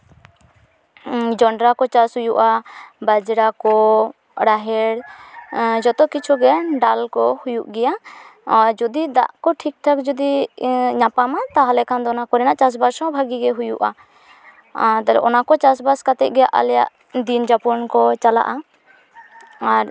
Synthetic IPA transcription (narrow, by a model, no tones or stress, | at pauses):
d͡ʒɔɳɖɾakɔt͡ʃashujuʔabad͡ʒɾakɔ | ɾaɦɛɽ | d͡ʒɔt̪ɔkit͡ʃʰuɡɛaɖalkɔhujuʔɡɛja | d͡ʒɔd̪id̪a̰ʔkɔʈʰik̚ʈʰakd͡ʒɔd̪iɲapamat̪aɦalɛkʰand̪ɔɔnakɔɾɛnaʔt͡ʃas̬baɾsɔ̃bʱaɡiɡɛɦujṵʔa̰ | t̪alɛ̰ʔɔnakɔt͡ʃas̬baskat̪ɛt̪̚ɡɛjaʔa̰lɛja̰ʔ | d̪ind͡ʒapɔnkɔt͡ʃala̰ʔa | aɾ